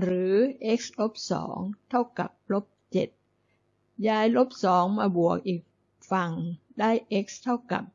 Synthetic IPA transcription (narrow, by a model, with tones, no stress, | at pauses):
ɾɯː˩˦ʔe˦˥k̚slo˦˥p̚sɔ̰ː˩˦ŋt̪ʰa˥˩wka̰˨˩p̚lo˦˥p̚t͡ɕe˨˩t̪̚ | jaː˧jlo˦˥p̚sɔː˩˦ŋmaː˧bu˨˩ək̚ʔiː˨˩k̚ | fa˧ŋ | daː˥˩jʔe˦˥k̚st̪ʰa˥˩wka̰˨˩p̚